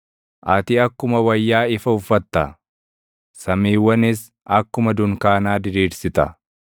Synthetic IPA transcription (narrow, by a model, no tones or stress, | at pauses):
ʔɐt̪ɪɐkːʊmɐwɐjːaːɪfɐʊfːɐt̪ːɐ | sɐmiːwːɐnɪs | ɐkːʊmɐd̪ʊŋkaːnaːd̪ɪɾiːɾsɪt̪ɐ̰